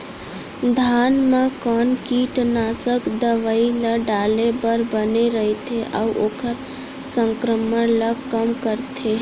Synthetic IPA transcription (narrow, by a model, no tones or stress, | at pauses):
d̪ʱaːnmẽkɔːnkiʈənaːsəkd̪əʋəiləɖaːlebəɾbəneɾəɦet̪ʰeʔəuʔoːkəɾ | sə̃ŋkɾəməɽləɡkəmkəɾt̪ʰeː